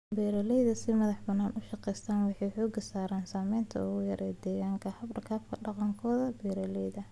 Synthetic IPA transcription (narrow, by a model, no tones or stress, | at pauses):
bɛːɾɐlɛjðɐsɪmɐðɑħbɐnːaːnʔʊʃɑqɛjst̪ʰaːnwɑħɑjħɔːɡɐsaːɾaːnsaːmɛjnt̪ʰɐ̰ʊɣʊjɐɾʔɛːd̪ɛːɣaːŋkʰɐhɐbɖɐkʰaːb̚kʰɐɖɑqɑŋkʰɔːðɐbɛːɾɐlɛjðɐ